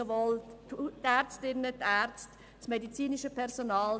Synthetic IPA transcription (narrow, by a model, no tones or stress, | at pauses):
əʋɔltɛɾt͡stɪnːətɛːɾt͡st | smedit͡siːniʃəpʰɛɾsonɑːl